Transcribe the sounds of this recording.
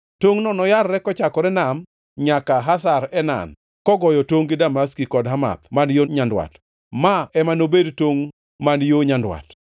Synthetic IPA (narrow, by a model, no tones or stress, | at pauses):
toŋnɔnɔjarːɛkɔt͡ʃakɔɾɛnam | ɲakaɦas̬aɾɛna̰n | kɔɡɔjɔtoŋɡɪdamaskikɔdɦama̰t̪manjoɲandwa̰t | maɛmanobedtoŋ | manjoɲandwa̰t